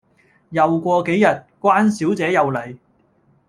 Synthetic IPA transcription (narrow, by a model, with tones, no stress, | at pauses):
jɐ˨wkʷɔː˧ke˨˥jːɐ˨t̚kʷwaː˥nsiː˨˥wt͡sɛː˨˥jɐ˨wlɐ˨˩j